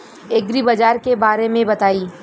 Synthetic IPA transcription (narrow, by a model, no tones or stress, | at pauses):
eɡɾibɐd͡ʒaːɾkebaːɾemẽbɐt̪aːiː